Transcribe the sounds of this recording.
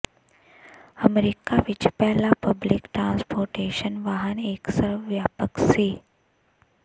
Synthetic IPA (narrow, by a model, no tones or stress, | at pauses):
əmeɾikaʋit͡ʃpɛɦlapəblikʈɾãːnspoːɾʈeːʃənʋaɦəneːksəɾʋʋjaːpəkseː